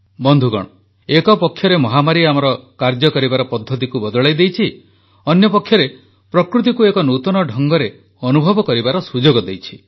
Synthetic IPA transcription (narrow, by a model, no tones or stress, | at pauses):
bɔnd̪ʱuɡɔ̰ɽ̃ɔ | ekɔpɔkʰːjɔɾemɔɦamaɾiamɔɾɔkaɾd͡ʒɔkɔɾibaɾɔpɔd̪ʱːɔt̪̬ikubɔd̪ɔɭajd̪ejt͡ʃʰi | ɔnjɔpɔkʰːjɔɾe | pɾɔkɾut̪̬ikuekɔnut̪ɔnɔɖʱɔŋɡɔɾe | ɔnubʱɔbɔkɔɾibaɾɔsud͡ʒoɡɔd̪ejt͡ʃʰi̥